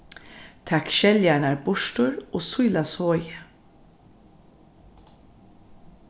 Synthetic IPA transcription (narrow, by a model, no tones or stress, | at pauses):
t̪ʰakʃɛljanaɹbʊʃtʊɹoːsʊjlashɔːjə